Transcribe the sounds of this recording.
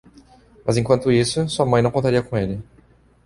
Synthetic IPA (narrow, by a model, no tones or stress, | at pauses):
mɐzẽkwɐ̃nt̪ʊisʊsuɐmɐ̃j̃nɐ̃kõt̪aɾiɐkõelɪ